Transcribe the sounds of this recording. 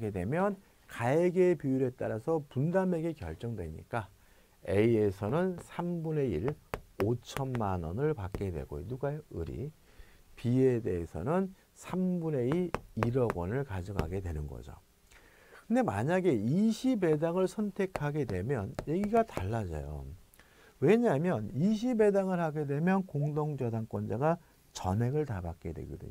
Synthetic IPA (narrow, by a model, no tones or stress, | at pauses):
ɡe̞dwe̞mjʌn | kaeɡe̞pjujuɾe̞t͈aɾasʰʌpundame̞ɡe̞kjʌ̰ɭt͡ɕ͈ʌŋdwe̞ɲḭk͈a | e̞ie̞sʰʌnɯnsʰambune̞iɾot͡ɕʰʌnmanʌnɯɭpak͈̚e̞dwe̞̰ɡo̰jo̰nuɡajoɯɾḭ | pie̞de̞ɦesʰʌ̰nɯn | sʰambune̞iiɾʌɡwʌnɯɭkad͡ʑʌɡa̰ɡe̞dwe̞nɯnɡʌ̰d͡ʑo̰ | kɯnde̞maɲaɡe̞iɕʰibe̞daŋɯɭsʰʌntʰe̞kʰaɡe̞dwe̞mjʌnje̞ɡiɡataɭːad͡ʑʌ̰jo̰ | we̞ɲamjʌniɕ̬ʰibe̞daŋɯɭhaɡe̞dwe̞mjʌnkoŋdoŋd͡ʑʌdaŋk͈wʌnd͡ʑaɡa | t͡ɕʌne̞ɡɯɭtabak͈e̞dwḛɡʌ̰dɯ̰ɲo